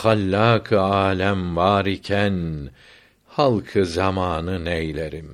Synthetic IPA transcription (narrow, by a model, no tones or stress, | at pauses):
xalʲːaːkʰɯaːlʲæmvaːɾicʰæn | halˠkʰɯzamaːnɯnejlʲeɾim